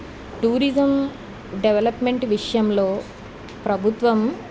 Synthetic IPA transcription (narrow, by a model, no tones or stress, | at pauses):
ʈuːɾid͡ʒɐm | ɖeʋelɐpmeɳʈʋiʂɐjɐmloː | pɾɐbʱut̪ʋɐm